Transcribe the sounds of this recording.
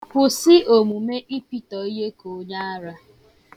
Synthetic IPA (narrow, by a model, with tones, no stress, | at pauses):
pʊ˨sɪ˦ʔo˨mu˨me˦ʔi˦pi˦tɔ˨i˦ɦe˦ko˨˦ɲa˦a˦ɾa˦